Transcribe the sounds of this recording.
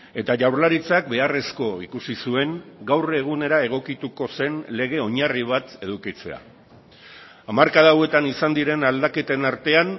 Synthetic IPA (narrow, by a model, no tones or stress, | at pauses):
e̞t̪aʝawɾlaɾit͡sak̚be̞are̞sko̞ḭkusisue̞ŋɡawreɣ̞une̞ɾae̞ɣ̞o̞kit̪uko̞se̞nle̞ɣ̞e̞o̞ɲariβ̞at̪e̞ð̞ukit͡se̞̰a̰ | amaɾkaðawe̞t̪anisand̪iɾe̞nald̪ake̞t̪e̞naɾt̪e̞an